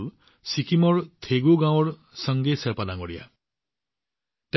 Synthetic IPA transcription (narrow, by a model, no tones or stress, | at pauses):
l | sikʰimɔɹt̪ʰeɡuɡãw̃ɔɹ | sʌŋɡeseɾpalaŋɡɔɽija̰ | t̪